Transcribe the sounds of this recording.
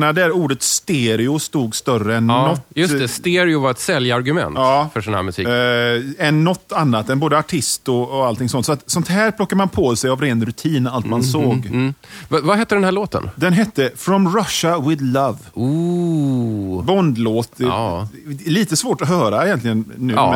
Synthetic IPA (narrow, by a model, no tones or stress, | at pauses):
nad̪ɛæɾuːɖət̪st̪eːɾɪʊst̪uːɡst̪œrəɛnːɔt̪ːjɵst̪ɛst̪eːɾɪʊvaɾɛt̪sɛljaɾɡɵmɛ̰nt̪ɑːfœʂɔnhæ̰ːmɵsḭk | ɛnːɔt̪ːanːat̪ɛnboːd̪əaʈʰɪst̪ɔːalt̪ʰɪŋsɔnt̪sɔat̪sɔnt̪ɦæːɾpʰlɔkːaɾmanpʰɔːsɛjavɾeːnɾɵt̪ʰiːnalt̪mansoːɡvvaɦɛt̪ːəɖɛnæːɭoːt̪ə̰nd̪ɛnɦɛt̪ːəfɾɔmɾaʃawɪd̪lavu | bɔnd̪loːt̪ | liːt̪əsvoːʈɔɦœːɾaɛjɛnt̪lɪɡənːʉ̟̰ː